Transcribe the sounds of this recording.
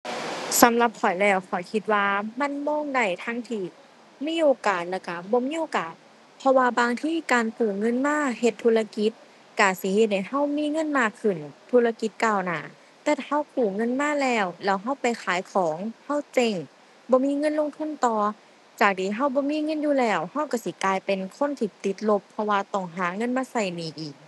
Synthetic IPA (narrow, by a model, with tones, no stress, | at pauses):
sa˨˦mla˧˦p̚kʰɔ˨˩jlɛː˧˩wkʰɔ˨˩jkʰi˧t̪̚waː˧ma˧˥˨nmɔː˧˥˨ŋda˧˩jt̪ʰa˧˥ŋt̪ʰiː˧˩ | miː˧˥˨ʔoː˧kaː˨˩t̪̚lɛː˧˩wka˧˩bɔː˧˦miː˧˥˨ʔoː˧kaː˨˩t̪̚ | pʰɔ˧waː˧baː˧ŋt̪ʰiː˧˥˨kaː˨nt̪ɯː˨˩ŋɤ˧˥˨nmaː˧˥˨he˧˩t̪ʰːu˧la˧ki˧˦˥t̪̚ | ka˧˩si˧˦he˧t̪̚ha˧˩jha˧˥˩wmiː˧˥˨ŋɤ˧˥˨nmaː˧˩kʰːɯ˨˩nt̪ʰuː˧la˧ki˧˦t̪̚kaː˧˩wnaː˨˩˦ | t̪ɛː˧˩ha˧˥˩wkuː˨˩ŋɤ˧˥˨nmaː˧˥˨lɛː˧˩wlɛː˧˩wɦa˧˥˩wpa˨jxʰaː˨˦jkʰɔː˨˦ŋha˧˥˩wt͡ɕe˧˩ŋ | bɔː˧˦miː˧˥˨ŋɤ˧˥˨nlo˧˨ŋt̪ʰu˧˥˨nt̪ɔː˧ | t͡ɕaː˨˩k̚t̪ʰiː˧˩ɦa˧˥˩wbɔː˧˦miː˧˥˨ŋɤ˧˥˨njuː˧˨lɛː˧˩wha˧˥˩wka˧˩si˧˦klaː˧jpe˨nkʰo˧˥˨nt̪ʰiː˧˩t̪i˧˦t̪̚lo˧˥pʰːɔ˧waː˧t̪ɔ˧˩ŋɦaː˨˦ŋɤ˧˥˨nmaː˧˥˨sa˧˩jniː˨˩ʔiː˨˩k̚